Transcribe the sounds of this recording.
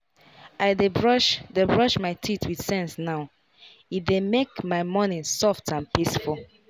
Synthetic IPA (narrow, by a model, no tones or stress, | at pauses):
aɪdebɹɔʃdebɹɔʃmaɪtʰitʰwid̥sɛ̃nsnaʊ | ifdemekmaɪmɔnĩnsɔftãnpisfulˠ